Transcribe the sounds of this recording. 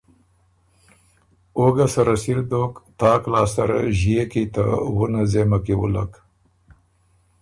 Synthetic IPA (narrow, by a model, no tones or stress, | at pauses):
oɡasaɾasiɾd̪okt̪ɑːklɑːsaɾa̰ʒijekit̪a̰wunazemakewṵla̰k